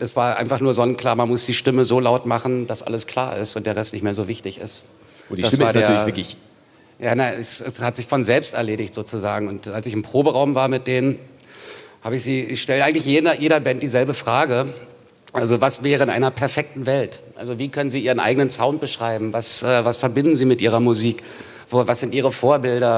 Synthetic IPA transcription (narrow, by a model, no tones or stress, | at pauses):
ʔɛsv̥aːɐʔa̰ɪnfaχnuːɐzɔnkʰl̥aːɐmanmʊsd̥iːʃtɪməzoːlaʊtmaχn̩d̥asʔa̰ləskʰl̥aːɐʔɪ̰stʊntd̥eːɐʁɛstnɪçtmeːɐzoːvɪçtɪçɪ̰st | id̥svaːɐdeːɐɐvɐk | jaːnaɛsɛshatz̥ɪçfɔnzɛlpstɛ̰ɐleːɾɪçtz̥oːt͡suzaːɡŋ̩ʊntalsɪçɪmpʁ̥oːbəʁaʊmvaːɐmɪt̚d̥eːnən | haːbəɪçz̥iːɪçʃtɛləʔaɪɡŋ̩tlɪçjeːdɐjeːɾɐbɛntd̥iːzɛlbəfʁ̥aːɡə | ʔalzovasvɛːʁəɪnʔa̰ɪnɐpʰɛɐfɛk̚tn̩vɛltʔa̰lzoviːkʰœnənziːiːʁənʔa̰ɪɡənənsaʊnt̚b̥əʃʁ̥aɪbm̩vasʔɛːvasfɛɐbɪndn̩ziːmɪtʔiːʁɐmuziːk | voːvasz̥ɪntiːʁəfoːɐbɪldɐ